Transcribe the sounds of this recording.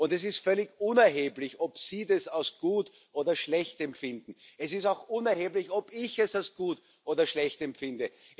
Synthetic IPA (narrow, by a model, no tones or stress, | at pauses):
ʊntɛs̬ɪstfœlɪçʊnɛɐɦeːblɪçɔpsiːdɛsaʊsɡ̥uːt | ʔoːdɐʃlɛçtɛmpfɪndn̩ɛsɪstaʊxʔʊnɛɐheːblɪçɔbɪçɛsaʊsɡ̥uːt | ʔoːdɐʃlɛçtɛmpfɪndə